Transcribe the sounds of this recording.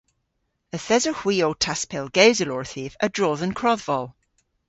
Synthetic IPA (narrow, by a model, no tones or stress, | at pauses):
əθɛzəhwiːotʰaspʰɛlˠɡ̥ewzəlɔɹθivə̰dɹoːðənkʰɹ̥ɔðvɔlˠ